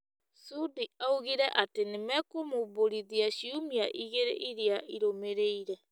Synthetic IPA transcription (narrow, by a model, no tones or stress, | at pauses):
sudiauɣiɾɛʔatenemɛkomoβoɾiðiaɕiumia̰ʔiɣeɾḛʔiɾeaiɾomeɾeiɾɛ